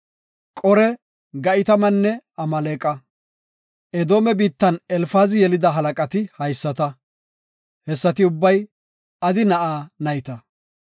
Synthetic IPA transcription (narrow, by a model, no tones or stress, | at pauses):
kʼɔɾɛ | ɡɐʔɪt̪ɐmɐnːɛɐmɐleːkʼːɐ | ɛd̪o̞ːmɛbiːt̪ːɐnɛlfaːzɪjɛlɪd̪ɐɦɐlɐkʼɐt̪ɪhɐjsːɐt̪ɐ | hɛsːɐt̪ɪʊbːɐj | ɐd̪ɪnɐʔaːnɐjɪt̪ɐ